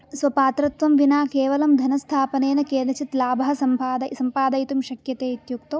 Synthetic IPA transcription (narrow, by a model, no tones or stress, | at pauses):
sʋɐpaːt̪ɾɐt̪ʋɐmʋinaːkeːʋɐlɐmd̪ʱɐnɐst̪ʰaːpɐneːnɐkeːnɐt͡ʃit̪laːbʱɐɦɐsɐmpaːd̪ɐsɐmpaːd̪ɐjt̪umʃɐkjɐt̪eːit̪juk̚t̪o